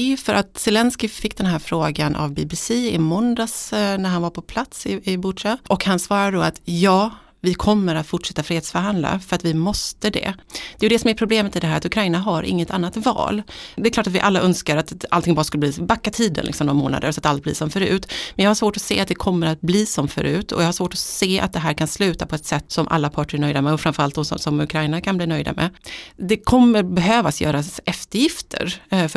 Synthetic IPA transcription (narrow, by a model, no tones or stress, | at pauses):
fœɾʔat̪sɛlɛnskɪfɪkːd̪ɛnɦæːɾfɾoːɡanʔa̰vbɪbɪsiɪmɔnd̪asnæɾɦanvaɾpʰɔpʰlat̪sɪɪbʊʂaʔɔkhansvɑːɾad̪əd̪ɔat̪jɑː | vɪkʰɔmːəɾat̪fʊʈʂɛt̪ːafɾiːheːt̪sfœɾɦand̪la̰fœɾat̪vɪmɔst̪əd̪ɛ̰d̪̥ɛjɵd̪ɛsɔmɛɾpʰɾʊbleːmət̪ɪd̪ɛɦæːɾat̪ɵkʰɾajnaɦaɾʔɪ̰ŋːət̪ʰanːat̪vɑ̰ːld̪ɛklɑːʈat̪vɪʔalːaʔœnskaɾat̪a̰lt̪ʰɪŋbɑːɾaskɵlːəbliːbakːat̪ʰiːd̪ə̰nlɪ̰ksɔmnɔamoːna̰d̪ə̰ɾsɔat̪ːalt̪blḭːsɔmfœɾʉ̟ːt̪mɛnjɑːhaʂvoːʈɔsḛːat̪̚d̪ɛkʰɔmːəɾat̪̚bliːsɔmfœ̰ɾʔʉ̟ːt̪ʰɔ̰jɑhaʂvoːʈɔseːʔa̰t̪̚d̪ɛɦæːɾkʰanslʉ̟ːt̪apʰɔɛt̪sɛt̪ːsɔmʔa̰lːapʰɑːʈəɾɳœjd̪amɛɔfɾamfœɾalt̪̚d̪ɔsɔ̰sɔmʉkʰɾajnakʰanbliːnœjd̪a̰mɛ̰d̪ɛkʰɔmːəɾbɛɦøːvasjœ̰ːɾasɛft̪əɾjɪft̪ʰə̰ɾf